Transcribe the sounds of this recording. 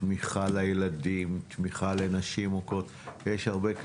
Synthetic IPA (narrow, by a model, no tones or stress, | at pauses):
miχalajeladimt̪miχalenaʃimokot̪jeʃhaʁbek